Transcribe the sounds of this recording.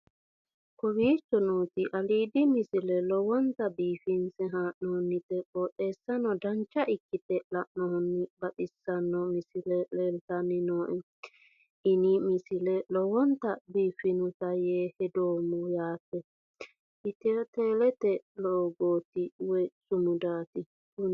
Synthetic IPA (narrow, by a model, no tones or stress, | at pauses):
kɔwiːt͡ʃːɔnuːt̪ɪʔɐliːd̪ɪmɪsɪlɛlɔwɔnt̪ɐbiːfɪnsɛɦaːʔnɔhɔnːɪt̪ɛkʼɔt̪eːsːɐnɔd̪ɐnt͡ʃːɐʔɪkːɪt̪ɛlɐʔnɔhɔnːɪbɐtɪsːɐnːɔmɪsɪlɛleːlt̪ɐnːɪnoːʔɛ | ʔɪnɪmɪsɪlɛlɔwɔnt̪ɐbiːfɪnʊt̪ɐjeːhɛd̪oːmʊjaːpːɛ | ɪt̪ɛt̪eːlɛt̪ɛloːɡoːt̪ɪwɔjsʊmʊd̪aːt̪ɪ | kʊn